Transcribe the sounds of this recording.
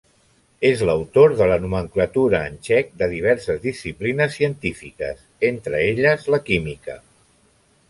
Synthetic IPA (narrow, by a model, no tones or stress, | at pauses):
ezləwt̪oɾðələnuməŋklət̪uɾəːnʲt͡ʃɛk̚d̪əðiβ̞ɛɾsəzðisiplinəsːiənt̪ifikə̰s | ent̪ɾəeʎəzləkimikə̰